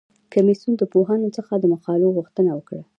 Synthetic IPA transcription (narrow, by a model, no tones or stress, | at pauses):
kamisund̪əpoɦanot͡səxad̪əmaxɑloɣuxt̪ənawəkɽa